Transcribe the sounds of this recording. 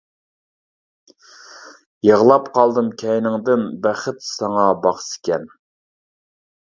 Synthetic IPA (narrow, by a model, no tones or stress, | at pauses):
jəʁlˠɑpqʰɑlˠd̪ɨmkʲʰɛjnɪŋd̪ɪnbæχɪt̪sɑŋɑbɑχsɪ̥kʲɛn